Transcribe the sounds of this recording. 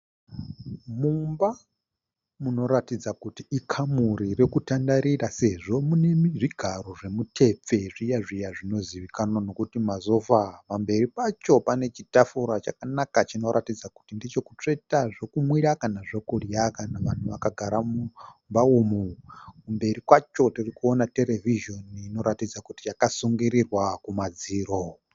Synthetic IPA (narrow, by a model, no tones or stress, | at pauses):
mumba | muno̞ɾatid͡zakutiːkʰamuɾirekutandaɾirase̞ʐo̞munemiʐiɡʱaro̞ʐe̞mutʰe̞p͡fe̞ʐijaʐijaʐino̞ziʋikanono̞kutimazo̞fapambe̞ɾipat͡ʃo̞pane̞t͡ʃitafuɾat͡ʃakanakat͡ʃino̞ɾʔatid͡zaku̥tindit͡ʃo̞kut͡ʂe̞taʐokumwiɾakanaʐokurjakanaʋan̤uʋakaɡʱaɾamumbaumukumbe̞ɾikwat͡ʃo̞tirikuonate̞ɾe̞viʒo̞nːno̞ɾatid͡zakutijakasuŋɡiɾirwakumad͡ziːɾo